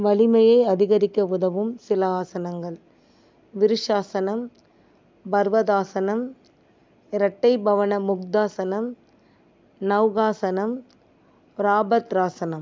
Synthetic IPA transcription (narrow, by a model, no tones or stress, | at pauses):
ʋɐɭɪmɐjɐɪɐðɪɣɐɾɪkːɐʊðɐʋɯmsɪlɐaːsɐnɐŋɡɐɭ | ʋɪɾɪʂaːsɐnɐm | bɐɾʋɐðaːsɐnɐm | ɪɾɐʈːɐɪbɐʋɐnɐmʊkd̪aːsɐnɐm | nɐʋɣaːsɐnɐm | ɾaːbɐt̪ɾaːsɐnɐm